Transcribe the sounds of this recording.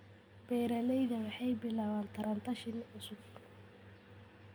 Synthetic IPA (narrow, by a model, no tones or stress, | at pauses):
b̥ɛːɾɐlɛjðɐwɑħɑjbɪlaːβaːnt̪ʰɐɾɐnt̪ʰɐʃɪnʊsʊɡ